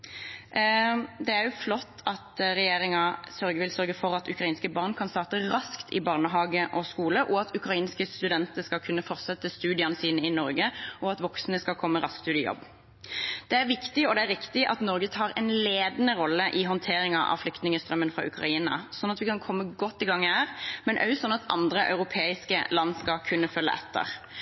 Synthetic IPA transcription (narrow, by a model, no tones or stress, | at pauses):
d̪ɛæʁjʊflɔt̪ːɑt̪ɾɛjeːɾɪŋɑsœɾɡəʋɪlsœɾɡəfɔɾɑt̪ʉkɾʁɑiːnskəbɑːʁnkʰɑnst̪ɑːʁt̪əɾɑskt̪ʰɪ̰bɑːʁnəɦɑːɡəʔɔskuːləʔɔɑt̪ʉkɾɑiːnskəst̪ʉd̪ɛnt̪əʁskɑlkʰʉnːəfɔʁt̪sɛt̪ːəst̪ʉːd̪ɪɑnəsiːnəɪnɔɾɡəʔɔɑt̪ʋɔksnəskɑkʰɔmːəɾɑskt̪ʉːd̪əjɔ̰bː | d̪̥ɛæʁʋɪkt̪ɪɔd̪ɛæɾːɪkt̪ɪʔɑt̪nɔɾɡət̪ʰɑːɾɛ̰nleːd̪ənəʁɔlːəʔɪɦɔnt̪ʰeːɾɪŋɑʔɑ̰ʋflʏkt̪nɪŋəst̪ɾœmːənfʁɑ̰ːʔʉ̰kɾʁɑ̰iːnɑ̰sɔnɑt̪ʋɪkʰɑnkʰɔmːəɡɔt̪ːɪɡɑŋːæːʁmɛnʔœ̰ʉsɔnːɑt̪ʔɑ̰nd̪ɾəʔœ̰ʉʁʊpʰeːɪskəlɑnːskɑkʰʉnːəfœlːə̰ɛt̪ʰːə̰ʁ